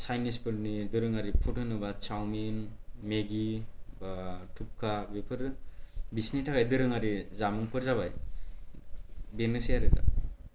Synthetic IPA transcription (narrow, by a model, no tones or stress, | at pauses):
sajnispʰɯɾnidɯɾɯŋaɾipʰutɯnɯbat͡ʃawminmeɡibatʰup̚kʰabepʰɯɾbisnitʰaɡajdɯɾɯŋaɾizamɯŋpʰɯɾzaβaj | benɯsijaɾɯda̰